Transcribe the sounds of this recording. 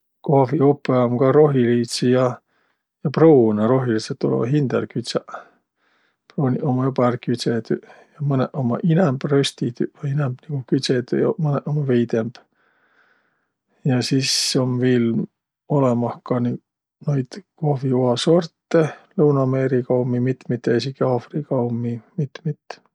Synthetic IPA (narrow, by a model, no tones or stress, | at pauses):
koviupːˑeomkɑɾo̞ɦiliːt̪sijɑ | jɑproːnɑɾo̞ɦiliset̪ːˑulɛ̰ɑ̰ɦind̪̥ḛlkyt̪sɑ | proːniʔomɑjupɑrkyt̪set̪yjɑmɤneʔomɑʔinɛmb̥røst̪it̪yvɑinemb̥niɡ̥ukyt̪set̪jɑmɤneʔomɑvejd̪emb̥ | jɑsiso̞mviːl | o̞lemɑhkɑni | nojd̪̥kohvioɑso̞rt̪ːelɤwnɑme̞ɾikɑumimit̪ːmit̪ːeesikːiɑːfrikɑumimit̪ːmit̪ː